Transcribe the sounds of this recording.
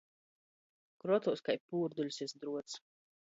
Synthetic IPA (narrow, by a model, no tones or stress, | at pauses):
kɾɔt̪uskajpuːɾd̪ulʲsisd̪ɾuɔt̪s